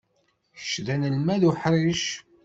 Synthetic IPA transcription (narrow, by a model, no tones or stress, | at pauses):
çəʃðænəlmæðuħɾˤiʃ